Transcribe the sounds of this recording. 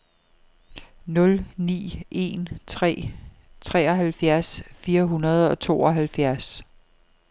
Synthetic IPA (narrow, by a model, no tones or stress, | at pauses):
nɔ̽lnḭːe̝̰nt͡sʰʁɛ̰ː | t͡sʰʁɛːɒ̽ɦælfjæɐsfiːɐɦunɐð̞ˠɒ̽t͡sʰo̝̰ːɒ̽ɦælfjæɐs